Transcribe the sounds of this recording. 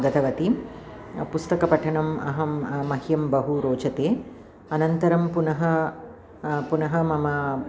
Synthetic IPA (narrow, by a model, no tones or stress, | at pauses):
ɡɐt̪ʰɐʋɐt̪i | pust̪ɐkɐpɐʈʰɐɳɐmɐ̰ɦɐmmɐɦjɐmbɐɦuɾoːt͡ʃɐt̪eː | ɐnɐnt̪ɐɾɐmpunɐɦɐ | punɐɦɐmɐmɐ